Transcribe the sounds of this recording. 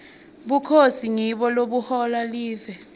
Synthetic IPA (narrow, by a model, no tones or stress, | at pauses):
ɓukʰosiŋiɓɔloɓuhɔlaliːvɛ